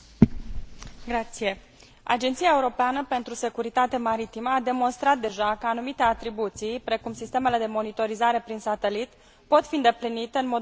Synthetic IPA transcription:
ɡɾat̪sije̞ | a̰d͡ʒent̪sijae̞uɾo̞peanəpe̞nt̪ɾuse̞kuɾit̪at̪emaɾit̪iməad̪e̞mo̞nst̪ɾat̪̚d̪e̞ʒakəanumit̪e̞at̪ɾibut̪sijpɾe̞kumsist̪e̞me̞le̞d̪e̞mo̞nit̪o̞ɾizaɾe̞pɾinsat̪e̞lit̪ | po̞t̪fiɨnd̪e̞plinit̪e̞ɨnmo̞d̪

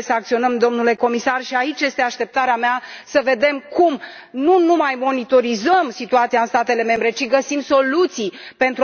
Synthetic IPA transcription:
səak̚t̪sio̞nəmd̪o̞mnule̞ko̞misarʃiait͡ʃje̞st̪e̞aʃt̪e̞p̚t̪aɾeameasəve̞d̪e̞mkum | nunumajmo̞nit̪o̞ɾizəmsit̪uat̪siaɨnst̪at̪e̞le̞me̞mbɾe̞t͡ʃiɡəsimso̞lut̪sijpe̞nt̪ɾu

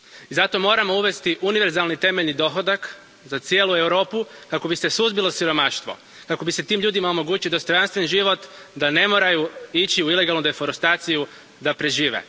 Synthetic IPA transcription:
izat̪o̞mo̞ːɾamo̞uʋe̞st̪iʔuniʋe̞ɾzalnit̪e̞meʎnid̪o̞xod̪ak | zat̪sje̞ːlue̞wɾo̞ːpukako̞bisesuzbilˠosiɾo̞maʃt̪ʋo̞̰ | kako̞bise̞t̪iːmʎʲuːd̪imaomo̞ɡuːt͡ɕid̪ost̪o̞janst̪ʋe̞nʒiʋo̞t̪d̪ane̞mo̞ːɾajuit͡ɕiuile̞ɡalˠnud̪e̞fo̞ɾust̪aːt̪siju | d̪apɾe̞ʒiːʋḛ

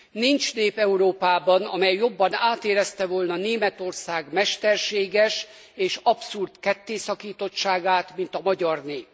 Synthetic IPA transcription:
nint͡ʃneːpɛuɾoːpaːbɒnɒ̰mɛjːo̞bːɒnaːt̪eːɾɛst̪ɛvo̞lnɒneːmɛt̪o̞rsaːɡmɛʃt̪ɛrʃeːɡɛʃ | eːʃɒpsurt̪kɛt̪ːeːsɒkiːt̪o̞t͡ʃt͡ʃːaːɡaːt̪mint̪ɒmɒɟɒrneːp

